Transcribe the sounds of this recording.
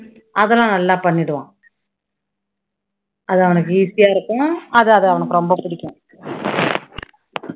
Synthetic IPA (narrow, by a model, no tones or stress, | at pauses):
ɐðɛlãːnɐlːaːpɐɳːɪɽɯʋã̰ː | ɐðɯɐʋɐnɯk̬ːɯiːsɪjaːɪɾɯkːʊ̃ɐðɯɐðɯɐʋɐnɯkːɯɾɔmbɐpɪɽɪkʲːʊ̃